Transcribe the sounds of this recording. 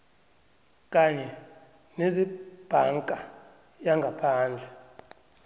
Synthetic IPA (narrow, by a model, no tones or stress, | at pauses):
kʼaɲɛ | nezib̥ʱaŋkʼa | jaŋɡʱapʰaːnd͡ɮʱɛ